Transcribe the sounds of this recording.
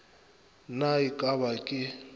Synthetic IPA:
naikʼaβakʼɪ

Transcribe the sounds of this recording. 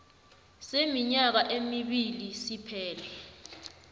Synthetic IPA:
semiɲak̬aʔemiɓilisipʰɛːlɛ

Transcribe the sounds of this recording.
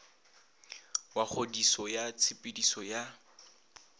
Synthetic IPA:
wak͡xʰodisɔjat͡sʰɪpʼɪdisɔja

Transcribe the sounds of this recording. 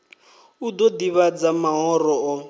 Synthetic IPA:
ud̪ɔdiβad͡zamaɦɔrɔɔ

